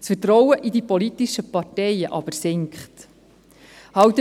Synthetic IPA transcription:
sfətɾɔwəʔidipɔlit̪iʃəpɑrtɛɪjəʔɑb̥əɾsɪŋkχt̪ | hɑwt̪ə

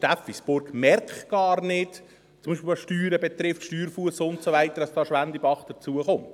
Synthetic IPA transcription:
ʃtæfisbʊɾɡmɛɾkχɡ̥ɑːɾnɪt | t͡sʊmbiːʃpilɑsʃtyːɾəbɛt̪ɾɪftʃtyːɾfuəsəʊnt̪soʋæɪt̪əɾdɑsd̥ɑːʃʋænd̪ibɑχd̥əɾt͡suəχʊmt̪

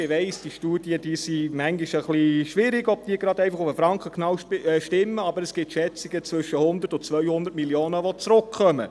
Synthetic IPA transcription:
ɪʋɛɪsd̥iʃtuːd̥iəd̥iːsimæŋɡiʃəχliʃʋɪɾɪɡɔb̚tiːɡɾɑdɛɪfɑχʊfəfɾɑŋkχəknɑwʃtɪmːəɑbəɾəsɡ̥ɪtʃɛt͡siɡət͡svʏʃəhʊnd̪ərtʊnt͡sʋœʏjhʊnd̪ətmiljoːnəʋɔt͡sɾʊkχœmə̰

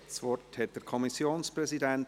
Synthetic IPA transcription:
sʋɔrthɛt̚d̥əɾkʰɔmisjoːnspɾɛsidɛnt

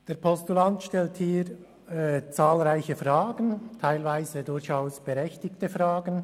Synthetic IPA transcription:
d̥eːɐɾpʰɔstulantʃtɛlthiːɾ | t͡saːlʁaɪçəfʁaːɡəntʰaɪlvaɪzədʊɾçaʊsb̥əɾɛçtɪktəfʁaːɡən

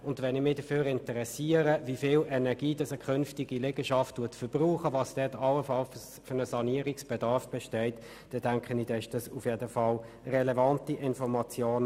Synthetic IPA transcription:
ʊndʋɛnɪmɪd̥əføːɾɪntəʁɛsiːəɾəvifɪːlʔɛnɛʁɡiːd̥ɑsəkʰχʏnftɪɡilɛɡ̥əʃɑfttuːɐtfəb̥ʁuːχəvɑːsd̥ɛtɑləfɑl | fʏnəsɑniəɾɪksb̥ɛdɑʁfb̥ɛʃtɛɪt | d̥ɛd̥æŋkχənidɛʃd̥ɑsufjedəfɑl | rɛlɛvɑntiʔɪnfɔmɑt͡sjoːn

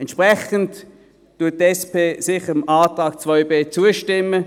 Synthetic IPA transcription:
ɛnʃpʁɛχənt | tːuɐt̚tːɛspʰeːsɪχəəmʔaːtʁaːk̚t͡svɔʏbeːt͡suəʃtɪmə

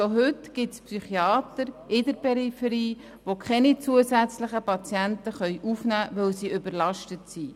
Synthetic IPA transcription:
ʃoɦʏtɡ̥ɪtspsyχiɑːt̪əɾɪdəɾpɛɾifəɾiː | ʋokχɛnit͡suəsæt͡sləχəpɑt͡sjæntəχœʏʔufnæːʋœwsiːʏbəɾlɑʃtətsi

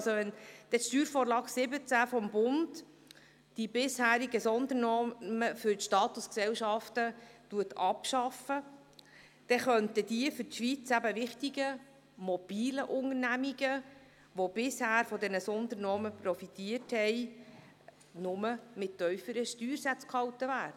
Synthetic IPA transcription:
soʋɛnd̥ɛʃtyːɾfɔːɾlɑːksɪbət͡sæfɔmbʊnd | d̥ibɪshæːɾiɡəsɔnd̪ənɔməfʏɾtʃtɑːt̪usksɛlʃɑftətuətʰɑpʃɑfə | d̪̥ɛχœnt̪əd̥iəfʏɾtʃʋit͡sæbəʋɪχtiɡə | mɔb̥iːləʔʊŋəɾnæmiɡə | ʋob̥ɪshæːɾfɔdɛnəsɔnd̪əɾnɔːməpɾɔfitiəthɛɪ | nʊməmɪtːœʏfəɾəʃtyːɾsæt͡skhɑwtəvæːdə

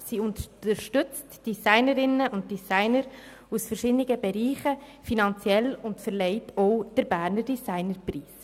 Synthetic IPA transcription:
siːʊnt̪əəɾʃtʏt͡std̥isaɪnəɾɪnəʊnd̚d̥isaɪnəɾ | usfɛɾʃɪdniɡəbɛɾiːχəfinɑnt͡sjɛlʊntfəɾlɛɪtʰɔʊd̥əɾbæːɾnəɾdisaɪnəɾpriːs

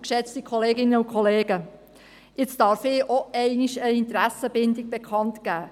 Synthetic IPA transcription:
kʃɛt͡stikʰχoleːɡɪnəʊnkʰχoleːɡə | ɪt͡stɑɾfɪːʔoʔɛɪniʃəɪnt̪ɾæsəbɪndiɡ̚b̥ekʰɑntɡ̥æː

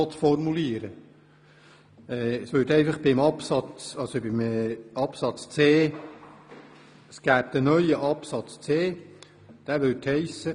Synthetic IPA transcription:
ɔtfɔrmuliəɾə | ɛsʋʉːɾtɛɪfɑχb̥ɪmɑpsɑt͡sɑlsobɪmɛɑpsɑt͡st͡seː | əsɡ̥æːb̚d̥̪ənœʏəʔɑpsɑt͡st͡seː | d̥æːʋʉthɛɪsə

